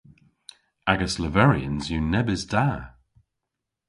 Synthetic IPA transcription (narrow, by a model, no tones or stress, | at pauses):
aɡəsləvɛɹiə̰̃nzjunɛbɪzd̥aː